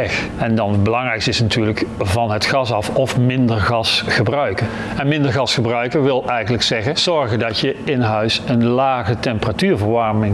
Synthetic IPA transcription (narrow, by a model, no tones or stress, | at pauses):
ɛx | ɛndɑnbəlɑŋrɛjkstɪsnatyːɹləkvɑnɦətχɑsɑfɔfmɪndəɹχɑsχəbrœɥkə | ɛnmɪndəɹɣɑsχəbrœɥkəɹʋɪlˠɛjχənləksɛχəz̥ɔɹɣəndɑtjəɪnɦœɥsənlaːχətɛmpəratyːɹvəɹʋɑɹmɪŋ